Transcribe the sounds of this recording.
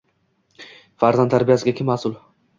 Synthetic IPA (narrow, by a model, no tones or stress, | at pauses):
faɾzant̪ʰaɾbɪjasɪɡʲakʲɪmːasʊl